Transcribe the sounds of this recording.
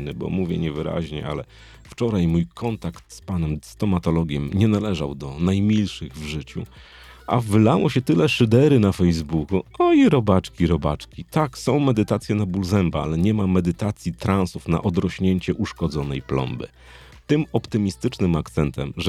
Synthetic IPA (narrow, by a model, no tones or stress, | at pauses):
nɘbɔ̰muvʲjɛ̰ɲɛvɘɾa̰ʑɲɛ̰ʔa̰lɛ | ft͡ʂɔɾajmujkʰɔnt̪akt̪spanɛmst̪ɔmat̪ɔlɔɡʲjɛmɲɛnalɛʐawd̪ɔnajmʲilʂɘɣvʐɘt͡ɕṵ | ʔa̰vɘlawɔɕɛt̪ɘlɛʂɘd̪ɛɾɘnafɛjzbukuɔiɾɔbat͡ʂkʲiɾɔba̰t͡ʂkʲit̪aksɔ̃w̃mɛd̪ɘt̪at̪sʲjɛnabulzɛmbaa̰lɛɲɛmamɛd̪ɘt̪at̪sʲjit̪ɾãnsufna̰ʔɔd̪ɾɔɕɲeɲt͡ɕɛʔuʂkɔd̪zɔnɛjplɔ̰mbɘ̰ | t̪ɘmɔpt̪ɘmʲist̪ɘt͡ʂnɘmakt̪sɛnt̪ɛmʐ